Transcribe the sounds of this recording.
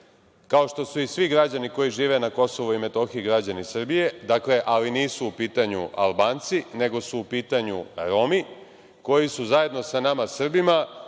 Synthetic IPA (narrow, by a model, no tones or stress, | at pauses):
kao̞ʃt̪o̞suisʋiɡɾad͡ʑaniko̞jiʒiːʋe̞nako̞so̞ʋuime̞t̪o̞xiiɡɾad͡ʑanisr̩bije̞d̪akle̞ʔaliniːsuːpiːt̪aɲṵʔa̰lˠbaːnt̪sine̞ɡo̞suːpiːt̪aɲṵɾo̞mi | ko̞jisuzaje̞d̪no̞sanamasr̩bima